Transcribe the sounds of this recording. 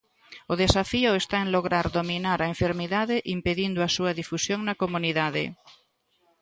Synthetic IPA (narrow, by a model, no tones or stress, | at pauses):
ʊðesafiʊest̪aeŋloɣɾaɾðominaɾɐeɱfeɾmiðaðɪʔimpeðind̪ʊɐsuɐðifusjoŋnɐkomuniðaðɪ̰